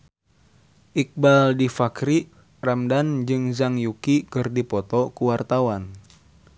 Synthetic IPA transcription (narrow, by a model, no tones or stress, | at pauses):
ʔik̚baldifakɾi | ramdand͡ʒɨŋzaŋjukikɨrdipɔt̪ɔkuwart̪awan